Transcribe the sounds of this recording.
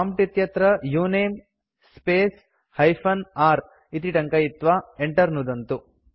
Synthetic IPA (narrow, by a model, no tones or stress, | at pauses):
aːmʈit̪jɐt̪ɾɐjuːneːm | speːs | hɐjpʰɐnaːɾ | it̪iʈɐŋkɐjit̪ːʋaːeɳʈɐɾnud̪ɐnt̪u